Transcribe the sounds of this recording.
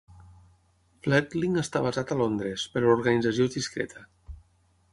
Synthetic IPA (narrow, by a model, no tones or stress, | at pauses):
flɛt̪liŋəst̪aβazat̪əlond̪ɾespəɾuɾɣanid͡zəs̬iozdiskɾɛ̰t̪ʰə